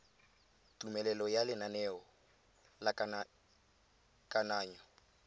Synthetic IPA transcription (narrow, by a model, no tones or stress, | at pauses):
tumɛlɛlɔjalɪnanɛɔ | la | kʼanaːɲɔ